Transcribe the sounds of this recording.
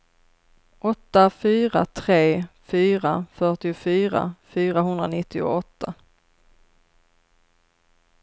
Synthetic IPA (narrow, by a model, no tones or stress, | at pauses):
ʔɔt̪ːafyːɾat̪ʰɾeːfyːɾafœʈɪʊfyːɾa̰fyːɾaɦɵnd̪ɾanɪt̪ːɪʊ̰ɔt̪ːa